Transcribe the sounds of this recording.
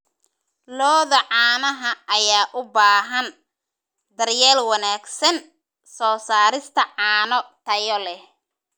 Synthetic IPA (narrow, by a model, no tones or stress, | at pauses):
lɔːðɐʕɑːnɐɦɐɐjaːʔʊbaːɦɐn | d̪ɐrjaːlwɐnaːɡsɐn | sɔːsaːɾɪst̪ʰɐʕɑːnɔt̪ʰɐjɔlɛ